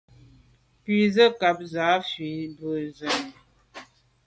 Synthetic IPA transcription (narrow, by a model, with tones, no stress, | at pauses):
pi˦˨zə˦ka˨p̚za˨˦fɥi˨˦bə˨zə˨n˨